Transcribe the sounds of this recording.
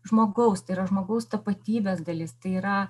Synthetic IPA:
ʒmoːɡɐʊst̪ɐɪiɾɐʒmoːɡɐʊst̪ɐpɐt̪ʲiːbʲeːsd̪ɐlʲɪst̪ɐɪiːɾɐ

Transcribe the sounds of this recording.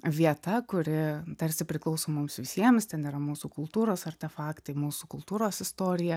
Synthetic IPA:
ʋʲiɛt̪ɐkʊɾʲɪt̪ɐɾʲsʲɪpʲɾʲɪklˠɐʊsoːmʊmsʋʲɪsʲiɛmst̪ʲɛniːɾɐmuːsukʊlˠt̪uːɾoːsɐɾʲt̪ʲɛfɑːkt̪ɐɪmuːsukʊlˠt̪uːɾoːsɪst̪oːɾʲɪjɛ

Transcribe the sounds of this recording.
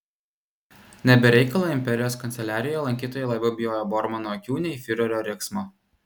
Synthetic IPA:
nʲɛbʲɛɾʲɛɪkɐlˠɐɪmʲpʲɛɾʲɪjoːskɐnʲt̪ʲɛlʲæːɾʲɪjɛlˠɐŋʲkʲiːt̪oːjɛlˠɐbʲɐbʲɪjoːjobɔɾmɐnoːɐkʲuːnʲɛiːfʲɪɾʲoɾʲoːɾʲeksmo

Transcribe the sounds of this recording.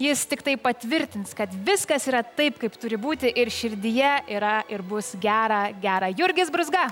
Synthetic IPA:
jɪst̪ʲɪkt̪ɐɪpɐt̪ʲʋʲɪɾʲt̪ʲɪnskɐt̪ʋʲɪskɐsiːɾɐt̪ɐɪpkɐɪpt̪ʊɾʲɪbuːt̪ʲɪʔɪɾʃʲɪɾʲd̪ʲɪjɛiːɾɐɪɾbʊsɡʲæːɾɐɡʲæːɾɐjʊɾʲɡʲɪsbɾʊzɡɐ

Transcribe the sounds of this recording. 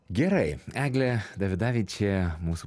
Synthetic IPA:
ɡʲɛɾɐɪæːɡlʲɛd̪ɐʋʲɪd̪ɑːʋʲiːt͡ʃʲeːmuːsu

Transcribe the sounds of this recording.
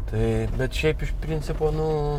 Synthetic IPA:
t̪ɐɪbʲɛt̪ʃʲɛɪpɪʃpʲɾʲɪnʲt͡ssʲɪpoːnʊ

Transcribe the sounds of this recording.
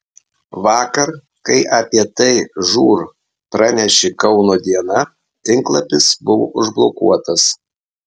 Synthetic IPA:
ʋɑːkɐɾ | kɐɪʔɐpʲiɛt̪ɐɪʒuːɾ | pɾɑnʲɛʃʲɪkɐʊnoːd̪ʲiɛnɐ | t̪ʲɪŋklˠɐpʲɪsbʊʋo̰ːʔʊʒblˠoːkṵɔt̪ɐs

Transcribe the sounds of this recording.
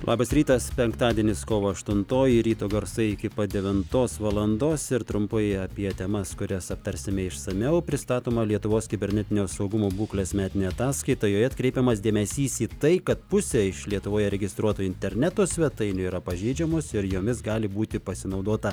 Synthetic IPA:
lˠɑ̰ːbɐsɾʲiːt̪ɐspʲɛŋkt̪ɑːd̪ʲiɛnʲɪskoːʋoːɐʃt̪ʊnt̪oːjɪɾʲiːt̪oːɡɐɾsɐɪɪkʲɪpɐd̪ʲɛʋʲɪnt̪oːsʋɑlˠɐnd̪oːsɪɾt̪ɾʊmpɐɪɐpʲiɛt̪ʲɛmɐskʊɾʲɛsɐp̚t̪ɐɾʲsʲɪmʲɛɪʃsɐmʲɛʊpʲɾʲɪst̪ɑːt̪oːmɐlʲiɛt̪ʊʋoːskʲɪbʲɛɾʲnʲɛt̪ʲɪnʲoːsɐʊɡʊmoːbuːklʲeːsmʲæːt̪ʲɪnʲeːɐt̪ɑːskɐɪt̪ɐjoːjɛɐt̪̚kɾʲɛɪpʲɛmɐsd̪ʲeːmʲɛsʲiːsiːt̪ɐɪkɐt̪̚pʊsʲɛɪʃlʲiɛt̪ʊʋoːjɛɾʲɛɡʲɪst̪ɾuɔt̪oːɪnʲt̪ʲɛɾʲnʲæt̪oːsʲʋʲɛt̪ɐɪnʲʊiːɾɐpɐʒʲɛɪd͡ʒʲɛmoːsɪɾjoːmʲɪsɡɑːlʲɪbuːt̪ʲɪpɐsʲɪnɐʊd̪oːt̪ɐ

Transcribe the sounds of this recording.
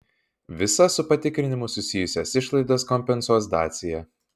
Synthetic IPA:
ʋʲɪsɐsʊpɐt̪ʲɪkɾʲɪnʲɪmʊsʊsʲɪjʊsʲɛsɪʃlˠɐɪd̪ɐskɔmʲpʲɛnsuɔs̬d̪ɑːt̪sʲɪjɛ

